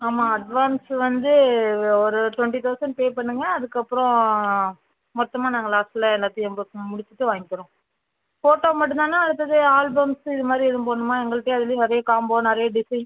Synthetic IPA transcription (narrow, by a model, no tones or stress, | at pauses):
aːmaːɐɖʋaːnsʋɐnd̪ɯɔɾɯʈwʋɛɳʈit̪ɐʊsɐɳɖ̚peːpɐɳːɯŋɡɐːðɯkːɐpːɯɾɔ̃ | mɔt̪ːɐmaːnaːŋɡɐɭaːsʈɪlɐɛlːaːt̪ːɪ̃ɛmbɯmʊɽɪt͡ʃːɯʈːɯʋaːŋɡɪkːɯɾõ | foːʈːoːmɐʈːɯ̃nd̪aːnːaːɐɽɯt̪ːɐðɯaːlbɐmsɪðɯmaːd̪ɾiɛðɯmpoːɳːɯmaːɛŋɡɐɭɯʈːeːɐðɪlnɪɾɐjɐkaːmboːnnɪɾɐjɐɖɪsɐɪn